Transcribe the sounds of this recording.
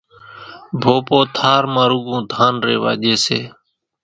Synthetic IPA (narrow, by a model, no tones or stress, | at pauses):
bʱoːpoːt̪ʰaːɾmãːɾuɡõːd̪ʱaːnɾḛːʋa̰ːʄeːseː